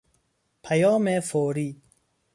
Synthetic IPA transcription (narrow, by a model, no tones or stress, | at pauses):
pʰajɔːmefoːɾiː